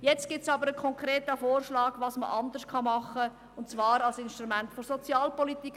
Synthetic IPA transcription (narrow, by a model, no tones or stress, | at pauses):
jɛt͡stɡ̥ɪtsɑbəɾəkʰɔŋkɾeːtəfoːrʃlɑːɡʋɑːsmə̰ʔɑnd̪ərskʰɑmɑχə | ʊntt͡svɑːɾɑlsɪnʃtɾumæntfɔɾsɔt͡sjɑːlpɔlit̪ik